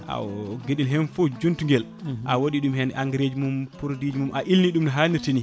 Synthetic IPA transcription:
ʔa̰ɡeɗilɦɛnfɔd͡ʒuntuŋɡɛl | ʔawoɗiɗumhɛnʔaŋɡɾed͡ʒumumpuɾodid͡ʒimumʔaʔilniɗumnaɦaːniɾtini

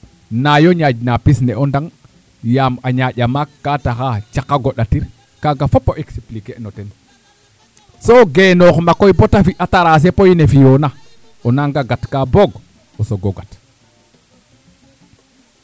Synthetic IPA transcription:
najoɲad͡ʒnapisnɛɔndaŋ | jamaɲaʄamakːataxat͡ʃakːaɡoɗatiɾ | kaɡafopːoʔeksiplikenɔtɛn | soɡenoxmakojbotafiʔataɾas̬epojnefijona | ɔnaŋɡaɡatkaboɡ | osoɡoɡat

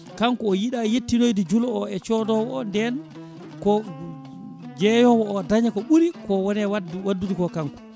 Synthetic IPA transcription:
kaŋkuɔjiɗajetːinojdid͡ʒulɔɔɛt͡ʃɔdɔwɔɔndɛn | kɔ | d͡ʒɛjɔwɔːdaɲakɔɓuɾikɔwɔnɛwwadːudikɔkaŋku̥

